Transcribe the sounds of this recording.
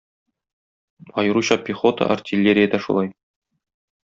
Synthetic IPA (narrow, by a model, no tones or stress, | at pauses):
ɒjɤ̆ɾuɕɑpʲiχo̞t̪ə̰ʔɐ̰rtʲilʲːeɾʲɪjəd̪æʃṵlˠɑj